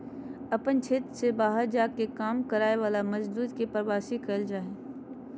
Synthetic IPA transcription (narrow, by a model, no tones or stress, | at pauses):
ɐpənt͡ʃʰeːt̪ɾsebaːɦəɾd͡ʒaːkekaːmkɐɾaːeʋaːlamɐd͡ʒd̪uːd̪kepɾəʋaːsikəld͡ʒaːeː